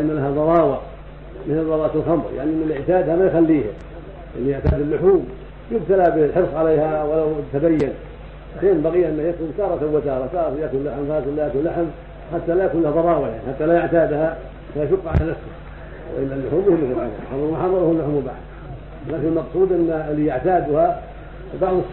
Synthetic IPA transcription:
ʔmːalaɦaðˤɑɾˤɑːwɑ | mɪθɪlðˤɑwˤɑːt̪alxɑmɾˤja̰ʕnimɪnlɪʕt̪aːd̪hamajxalːiːha | ʔanːijʊʕt̪aːd̪ɪlːʊħuːm | jʊb̚t̪alabɪlħɪɾsˤʕaleːhawalawt̪ːad̪ajːan | keːnbaɣijːaʔɪnːahjat̪ːʊmt̪ɑːɾˤɑt̪awːɪt̪ɑːɾˤɑt̪ɑːɾˤɑt̪ɪjaːt̪ɪlːaħmðɑːɾˤɑt̪alːjaːt̪ɪlaħm | ħat̪ːalajakuːnlahaðˤɑɾˤɑːwaja̰ʕniħat̪ːalajʊʕt̪aːd̪ha | sajaʃʊqːʕa̰lalasa | wɪ̰ʔɪ̰lːalːʊħuːmjʊhɪmːʊfɪlxɑmɾˤxɑmɾmʊħɑrˤːɑɾhulːʊħumːʊba̰ʕd̪ | laːkɪnalmɑqsˤuːd̪ʔɪnːalːijaʕt̪aːd̪ʊha | bɑʕðˤɨ

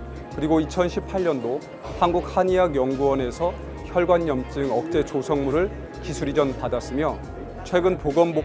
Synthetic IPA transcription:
kɯɾiɡoit͡ɕʰʌnɕʰipʰaʎɲʌndo | hanɡuk̚haɲiaɡjʌŋɡuwʌne̞sʰʌ | çjʌɭɡwanːʌmt͡ɕ͈ɯŋʌk̚t͡ɕ͈e̞t͡ɕosʰʌŋmuɾɯɭ | kisʰuɾid͡ʑʌnpadas͈ɯmjʌ | t͡ɕʰwe̞ɡɯnpoɡʌmbo

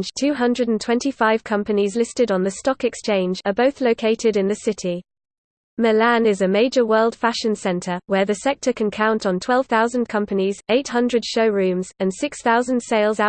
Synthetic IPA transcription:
nʒ̥tʰʉːɦʌ̃ndɹədə̃n̩tʰw̥ɛ̃ntifaɪv̥kʰʌ̃mpənizlɪstɪdn̩ðəstɒkɛkst͡ʃʰẽɪ̃nd͡ʒəbəʊθləʊkʰeɪtʰɪdɪ̃nðəsɪtʰi | məlãnɪzəmeɪd͡ʒəwɜːlˠd̥faʃə̃nsɛ̃ntʰəwəðəsɛk̚tʰəkʰə̃nkʰãʊ̃ntn̩tʰw̥ɛlˠv̥θaʊzə̃nkʰʌ̃mpənizeɪthʌ̃ndɹəd̥ʃəʊɹʉ̃ːmz̥ə̃nsɪksθaʊzə̃nd̥seɪlˠzaʊ

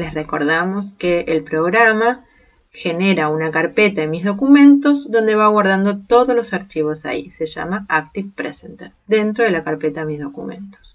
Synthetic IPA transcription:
le̞sreko̞ɾðamo̞skeːlpɾo̞ɣɾama | xe̞neɾaunakaɾpet̪aemizðo̞kumẽ̞nt̪o̞zðo̞nd̪e̞βaɣwaɾð̞and̪o̞t̪o̞ðolosaɾt͡ʃiβ̞o̞sa̰ḭse̞ʒa̰maak̚t̪ifpɾesent̪eɾd̪e̞nt̪ɾoðelakaɾpet̪aemizðo̞kumẽ̞̰nt̪o̥s

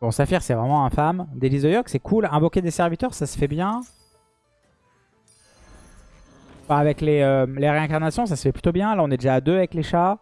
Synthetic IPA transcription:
ɔ̃safiʁsɛvʁɛmɑ̃ɛ̃famd̪elizɔjɔksɛkʰulɛ̃vɔkʲed̪esɛʁvit̪œʁsasə̥fɛbjɛ̃ | bɛ̃avɛkleøleʁeɛ̃kaʁnasjɔ̃sasə̥fɛplyt̪objɛ̃laɔ̃nɛd̪eʒaːd̪øavɛkleʃa

